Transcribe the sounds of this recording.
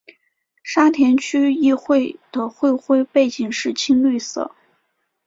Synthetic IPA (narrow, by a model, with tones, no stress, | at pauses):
ʂa˥t̪ʰjɛ˧˥nt͡ɕʰy˥i˥˧xwe˥˩ɪd̪̥ə˩xwe˥˧ɪxwe˥˧ɪpe˥˩ɪt͡ɕi˨˩ŋʂɻ̩˥˩t͡ɕʰi˥ŋly˥˧sɤ̰˥˩